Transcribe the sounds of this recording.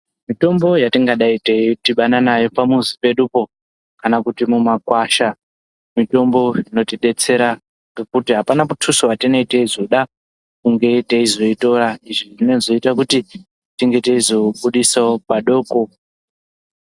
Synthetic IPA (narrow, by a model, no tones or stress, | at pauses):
mito̞mbo̞jatiŋɡaɗaiteitiɓananajo̞pamuzipe̞ɗupo̞ | kanakutimumakwaʃa | mito̞mbo̞ino̞tiɗe̞t͡se̞ɾa | ŋɡekutiɦapanamutʰusowatine̞iteizo̞ɗa | kuŋɡe̞teizo̞ito̞ɾaiʐiʐine̞zo̞itakuti | tiŋɡe̞teizo̞ɓuɗisaopaɗo̞ːko̞